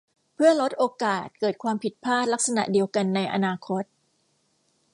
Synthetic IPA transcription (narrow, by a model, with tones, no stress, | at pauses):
pʰɯ˥˩ɐlo˦˥t̪̚ʔoː˧kaː˨˩t̪̚kɤː˨˩t̪̚kʰwaː˧mpʰi˨˩t̪̚pʰaː˥˩t̪̚la˦˥k̚sa˧na̰˨˩ʔdi˧əwka˧nːa˧jʔa̰˧naː˧kʰo˦˥t̪̚